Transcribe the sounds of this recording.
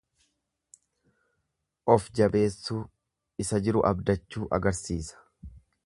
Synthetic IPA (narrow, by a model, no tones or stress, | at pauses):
ʔɔfd͡ʒɐbe̞ːsːuː | ɪsɐd͡ʒɪɾʊʔɐbd̪ɐt͡ʃːuːʔɐ̰ɡɐɾsiːsɐ̥